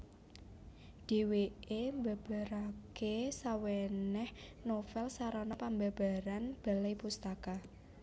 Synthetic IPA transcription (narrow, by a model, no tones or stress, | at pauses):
d̥e̤weʔemba̤b̥a̤ɾakesawɛnɛhnofɛlsaɾɔnɔpamba̤b̥a̤ɾanb̥a̤lajpust̪aka